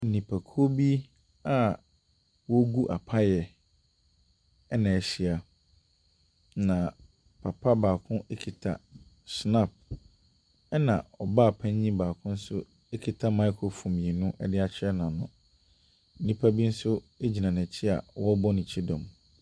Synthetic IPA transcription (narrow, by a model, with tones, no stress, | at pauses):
n̩˨nĩ˨pʰa˨kʰo˦bi˦ | a˨ | wɔ˦ɡu˦ʔa̰˨pʰa˦jɛ˨ | ɛ˦nã˨ɛ˨ɕi˨a˨ | nã˨ | pʰa˨pʰa˦baː˨kʰʊ̃˦ʔe˦kʰi˨tʰa̰˨ | sna˦p̚ | ɛ˦nã˨ɔ˨ba˦˨pʰã˦ɲɲĩ˦baː˨kʰʊ̃˦n̩˦sʊ˦ | e˦kʰi˨tʰa˦ma˦ɪ˦kʰo˨fũ˨mĩ˨e˨nũ˦ʔɛ̰˦dɪ˦a˨t͡ɕʰɪ˦ɛ˦nã˨nʊ̰̃˨ | n̩˦nĩ˦pʰa˦bi˦n̩˦sʊ˦e˦d͡ʑi˨nã˨nɪ̃˨t͡ɕʰɪ˦a̰˨wɔ˦bɔ˦nĩ˨t͡ɕʰi˦dɔ̃˨m